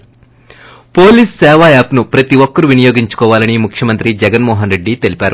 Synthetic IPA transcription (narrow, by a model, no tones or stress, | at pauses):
po̞ːliːssɛːʋaːjaːpnupɾɐt̪iʋɔkːɐɾuʋinɐjoːɡiɲt͡ʃu̥kɔːʋaːlɐnimukʰjɐmɐnt̪ɾid͡ʒɛɡɐnmɔːɦɐnɾe̞ɖːit̪e̞lipʲaːɾu